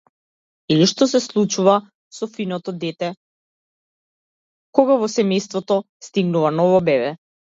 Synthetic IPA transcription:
iliʃt̪ɔsɛslˠut͡ʃuva | sɔfinɔt̪ɔd̪ɛt̪ɛ | kɔɡavɔsɛmɛjst̪vɔt̪ɔ | st̪iɡnuvanɔvɔbɛβɛ

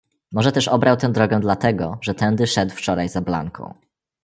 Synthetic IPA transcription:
mɔʐɛt̪ɛʂɔbɾawt̪ɛ̃w̃d̪ɾɔɡɛ̃d̪lat̪ɛɡɔʐɛt̪ɛnd̪ɘʂɛt̪wft͡ʂɔɾajzabla̰ŋkʰɔ̰̃w̃

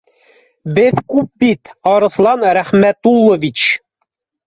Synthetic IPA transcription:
bɘðkʉp̚bit̪ɑɾɤ̆θlˠɑnɾæχmæt̪ulˠːŏvit͡ɕ

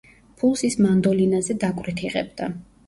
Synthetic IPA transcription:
pʰulˠsismand̪ɔlinazɛd̪akʼwɾit̪ʰiʁɛ̰bd̪a

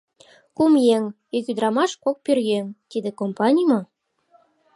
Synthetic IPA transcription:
kumjeŋ | økyd̪ɾɑmɑʃkok̚pyrjeŋt̪id̪ĕkompɑnʲijmɑ

